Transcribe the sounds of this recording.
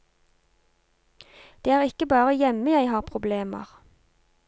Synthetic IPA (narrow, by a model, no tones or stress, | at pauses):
d̪̥eːæːʁɪkəbɑːʁəjɛməjæɪhɑːʁpʰʁʊbleːmə̰ʁ